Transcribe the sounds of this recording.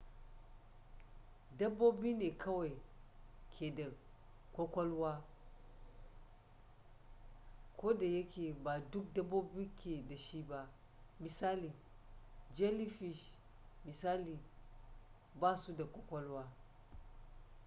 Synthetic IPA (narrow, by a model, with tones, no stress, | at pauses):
da˦bo˦bi˦ne˨kʰa˦wa˨i˨kʰe˨da˨ | kʷo˦kʷo˦lwa˦ | ko˦da˨je˦kʰe˨ba˨du˦k̚da˦bo˦bi˦kʰe˨da˨ʃi˦ba˦ | mi˨sa˦li˨ | d͡ʒe˦li˦fi˨ʃ | mi˨sa˦li˨ | ba˦su˦da˨kʷo˦kʷo˦lwa˦